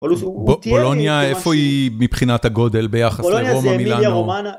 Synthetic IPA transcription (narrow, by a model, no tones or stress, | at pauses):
bbolo̞njaefo̞imipχinat̪haɡo̞delbe̞jaχasseʁomamilano